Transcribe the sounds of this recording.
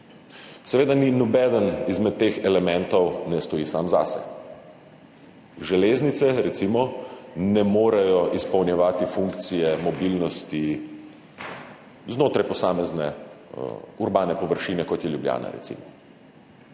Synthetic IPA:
sɛʋeːd̪aninɔbɛd̪ənizmɛt̪ːeːxɛlɛmɛnt̪ɔwnɛst̪ɔjiːsaːmza̰sɛ̰ | ʒɛleːznit̪sɛɾɛt̪simɔnɛmoːɾajɔʔispɐwnjɛʋaːt̪ifuŋkt̪sijɛmɔbiːlnɔst̪i | znoːt̪ɾajpɔsaːmɛznɛ̰ | uɾbaːnɛpɔʋəɾʃiːnɛkɔt̪jɛljubja̰ːna̰ɾɛ̰t̪sḭmɔ

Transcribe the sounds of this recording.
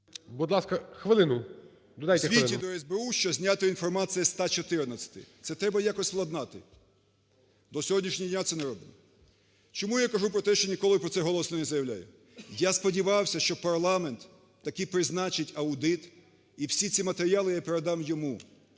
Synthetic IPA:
bud̪lˠɑskɐxʋɪlˠɪnʊ | d̪ɔd̪ajt̪sɛʋʲiɪid̪ɔɛzʲbeuʃt͡ʃɔzʲnʲat̪ɪinfɔrmɑt̪sijɛst̪ɑt͡ʃɔt̪ɪrnɐt͡sʲːɐ̥t̪ɪ̰t̪sɛt̪ɾɛbɐjakɔsʲsplˠɐd̪nɑt̪ɪ | d̪ɔsʲɔɦɔdʲnʲiʃnʲiɔdʲnʲat̪sɛnɛɾɔbɪmɔ | t͡ʃɔmujakɐʒupɾɔt̪ɛʃt͡ʃɔnʲikɔlˠɪpɾɔt̪sɛɦɔlˠɔsnɔnɛzɐjɐwlʲa̰jʊ | jaspɔdʲiʋɑwsʲɐʃt͡ʃɔpɐrlˠɑment̪ː | ɐkɪjpɾɪznɑt͡ʃɪtʲɐwd̪ɪt̪ | iwsʲit͡sʲimɐt̪eɾʲɪjalˠɪjapeɾed̪ɑmjɔmu

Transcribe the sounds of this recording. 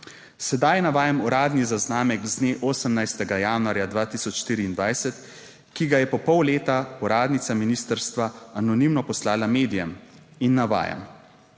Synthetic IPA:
sɛd̪ajnaʋaːjamuɾaːd̪nizaznaːmɛkzneʔoːsəmnajst̪ɛɡajaːnuaɾjad̪ʋaːt̪isɔt͡ʃʃt̪iːɾiːnd̪ʋajsɛt̪ | kiɡajɛpɔpɔwleːt̪aɔɾaːd̪nit̪saminiːst̪əɾst̪ʋaanɔnimnɔpɔslaːlameːd̪ijɛminːaʋa̰ːja̰m

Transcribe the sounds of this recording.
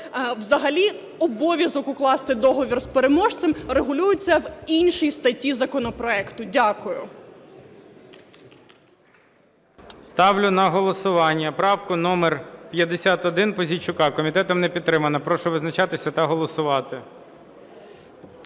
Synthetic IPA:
wzɐɦɐlʲi | ɔbɔʋʲjɐzɔkʊklˠɑst̪ɪd̪ɔɦɔʋʲirspeɾemɔʒt̪semreɦʊlʲujʊt͡sʲːɐwinʲʃijst̪ɐtʲːizɐkɔnɔpɾɔɛkt̪ʊdʲakʊjʊ̰ | st̪ɑwlʲʊnɐɦɔlˠɔsʊʋɑnʲːɐpɾɑwkʊnɔmerpʲjɐd̪esʲat̪ɔd̪ɪnpɔzʲit͡ʃʊkɑkɔmʲit̪ɛt̪ɔmnɛpʲid̪̚t̪ːɾɪmɐnɐpɾɔʃʊʋɪznɐt͡ʃɑt̪ɪsʲɐt̪ɐɦɔlˠɔsʊʋɑt̪ɪ

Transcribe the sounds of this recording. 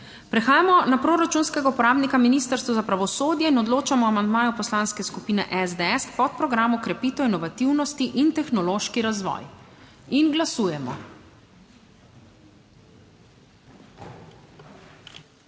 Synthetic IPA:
pɾɛxaːjamɔnapɾoːɾat͡ʃunskɛɡaupɔɾaːbnikaminiːst̪əɾst̪ʋɔzapɾaʋɔsoːd̪jɛinɔd̪loːt͡ʃamɔamand̪maːjɔpɔslanskɛskupiːnɛ̰ʔɛzd̪eɛspɔt̪̚pɾɔɡɾaːmukɾɛpiːt̪ɔwinɔʋat̪iwnɔst̪iʔint̪ɛxnɔloʃkiɾazʋɔ̰ːj | inɡlasuːjɛmɔ̰

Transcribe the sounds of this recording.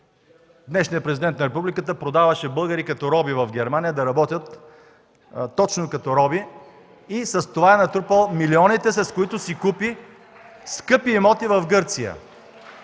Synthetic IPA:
d̪nɛʃnijəpɾɛzid̪ɛnt̪nɐɾɛp̬ublikət̪əpɾod̪avɐʃɛbɤlˠɡəɾikɐt̪ɔɾɔbivɐfɡɛɾmanijəd̪ɐɾɐbɔt̪ʲət̪ | t̪ːɔt͡ʃnokɐt̪ɔɾɔbiː | sɐst̪ovaɛnɐt̪ɾupəlˠmiliɔnit̪ɛsɛskoit̪ʊsikupi | skɤpiːmɔt̪ivɐfɡɤɾt̪sijə̰

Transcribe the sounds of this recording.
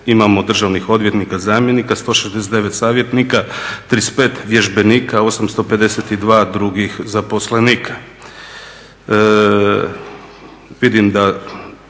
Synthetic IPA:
imamo̞d̪r̩ʒaːʋnixo̞d̪ʋjet̪nikazaːmjenikast̪o̞ːʃezd̪es̬et̪eʋe̞t̪saːʋje̞t̪nikat̪ɾispeːt̪ʋjeʒbe̞niːkao̞samst̪o̞pe̞d̪e̞set̪id̪ʋaːd̪ɾuɡixzapo̞sleniːkʰḁ | ʋid̪imd̪a

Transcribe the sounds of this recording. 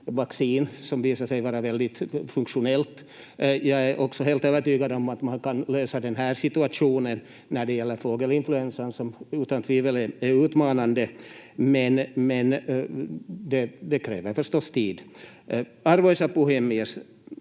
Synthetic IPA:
vaksiːnsɔmviːsaʂɛjvɑːɾavɛld̪ɪt̪fɵŋkʂʊnɛlt̪ | jɑɡæʔɔksɔɦeːlt̪øːvəʈyːɡad̪ɔmat̪mankɑnløːsɑd̪ɛnɦæːɾʂɪt̪ɵaʂuːnənː | æɖɛjɛlːəɾfoːɡəlɪnflʉɛnsənsɔmʉːt̪ant̪ʰʋiːvəlɛæɾʉːt̪mɑːnand̪əmɛnmɛn | d̪ɛd̪ɛkʰɾḛːvəɾfœɾʂt̪ɔst̪ʰiːd̪ | ɑɾvoːsɑpʊhemɪəs

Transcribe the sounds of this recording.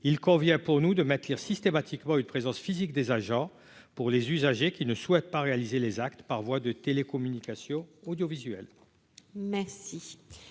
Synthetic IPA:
ilkɔ̃vjɛ̃puʁnud̪əmɛt̪liʁsist̪emat̪ʰikmɑ̃ynpχezɑ̃sfizikd̪ezaʒɑ̃ | puʁlezyzaʒekʲinəswɛt̪̚paʁealizelezakt̪paʁvwad̪ət̪elekɔmynikasjɔ̃ɔd̪jɔvizɥɛl | mɛʁsi

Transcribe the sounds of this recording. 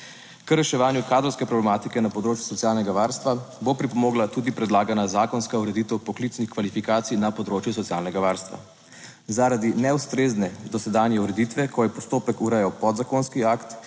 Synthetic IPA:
kəɾɛʃɛʋaːnjukaːd̪ɾɔwskɛpɾɔblɛmaːt̪ikɛnapɔd̪ɾoːt͡ʃju̥sɔtsijaːlnɛɡaʋaːɾst̪ʋabopɾipɔmoːɡlat̪uːd̪ipɾɛd̪laːɡanazaːkɔnskauɾɛd̪iːt̪əwpɔklit̪snixkʋalifikaːt̪sijnapɔd̪ɾoːt͡ʃjusɔt̪sijaːlnɛɡaʋaːɾst̪ʋa̰ | zaɾad̪inɛust̪ɾeznɛd̪ɔsɛd̪anjɛuɾɛd̪it̪ʋɛkɔjɛpɔst̪oːpɛkuɾɛjawpɔd̪zakoːnskiaːkt̪

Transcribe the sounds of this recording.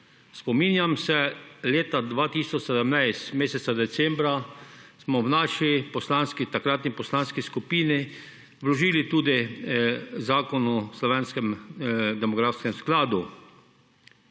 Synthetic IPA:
spɔmiːnjamsɛleːt̪ad̪ʋaːt̪iːsɔt͡ʃsɛd̪əmnajst̪meːsɛt̪sad̪ɛt̪sɛmbɾasmɔwnaːʃipɔslanskit̪akɾaːt̪nipɔslanskiskupiːni | ʋlɔʒiːlit̪uːd̪i | zaːkɔnuslɔʋeːnskɛmd̪ɛmɔɡɾaːfskɛmsklaːd̪u

